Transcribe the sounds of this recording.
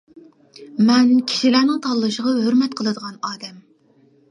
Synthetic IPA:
mɛnkʲʰi̥ʃilæɾnɪŋt̪ʰɑlˠlˠɨʃəʁɑhøɾmɛt̪̚qʰəlˠɨd̪əʁɑnɑːd̪ɛm

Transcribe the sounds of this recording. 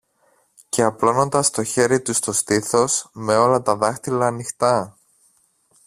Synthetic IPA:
ce̞ɐplo̞no̞nd̪ɐst̪o̞çe̞ɾit̪ust̪o̞st̪iθo̞sme̞o̞lɐt̪ɐðɐxt̪ilɐːnixt̪ɐ

